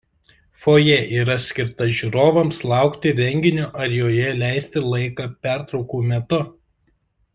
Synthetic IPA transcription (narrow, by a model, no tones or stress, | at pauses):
foːjɛʔiːɾɐsʲkʲɪɾt̪ɐʒʲuːɾoːʋɐmslˠɑˑʊkt̪ʲɪɾʲɛŋʲɡʲɪnʲuʔɐɾjoːjɛlʲæˑɪsʲt̪ʲɪlˠɐɪkɑpʲæˑɾt̪ɾɒʊkuːmʲɛt̪ʊ